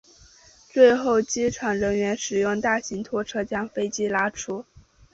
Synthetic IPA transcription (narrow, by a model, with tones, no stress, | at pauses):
t͡swe˥˧ɪxo˥˩ʊt͡ɕi˥ʈ͡ʂʰwa˨˩nɻə˧˥nɥɛ˧˥nʂɻ̩˨˩jʊ˥˧ŋt̪a˥˩ɕi˧˥ŋt̪ʰwɔ˥ʈ͡ʂʰɤ˥t͡ɕjɑ˥ŋfe˥ɪt͡ɕi˥la˥ʈ͡ʂʰu˥